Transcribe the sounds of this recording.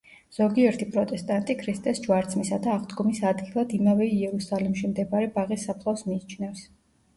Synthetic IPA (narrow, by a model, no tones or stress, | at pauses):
z̥ɔɡiɛɾt̪ʰipʼɾɔt̪ʼɛst̪ʼant̪ʼikʰɾist̪ʼɛsd͡ʒwaɾt̪sʰmisad̪aːʁd̪ɡɔmisad̪ɡilˠad̪imavɛiɛɾusalimʃimd̪ɛbaɾɛbaʁisːapʰlˠɔsmiːt͡ʃʰnɛfs